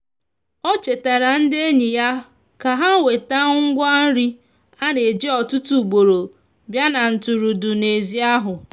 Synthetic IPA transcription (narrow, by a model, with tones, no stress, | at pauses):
ɔ˦t͡ʃe˨ta˨ɾa˨n̩˦dɪ˦e˦ɲi˨ja˦ | ka˨ɦa˦we˨ta˦ŋ̩˦ɡʷa˦n̩˦ɾi˦ | a˦ne˨d͡ʒe˦ɔ˨tʊ˦tu˦˨ɡ͡bo˨ɾo˨ | bja˦na˨n̩˨tʊ˨ɾu˨dʊ˨ne˨zi˦a˦ɦʊ˨